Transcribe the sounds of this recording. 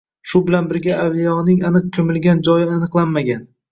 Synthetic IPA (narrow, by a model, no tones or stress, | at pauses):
ʃʊbɪlanbɪɾɡʲaʔawlijɒnɪŋanɨq̚kʲʰɵmɪlɡʲand͡ʒɒjɪanɨqlˠanmaɡʲan